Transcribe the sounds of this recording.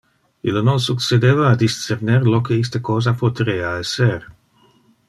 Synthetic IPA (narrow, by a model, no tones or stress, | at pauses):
ilononsuksed̪eːvaːd̪ist̪t͡seɾneɾlokeis̬t̪əkoːzapot̪ɾeːaɛser